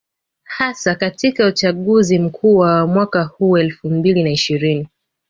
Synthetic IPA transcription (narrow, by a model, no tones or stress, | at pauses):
hasakatikaut͡ʃaɠuzim̩kʰuːwamwakahuːɛlfumbilinaiʃiɾini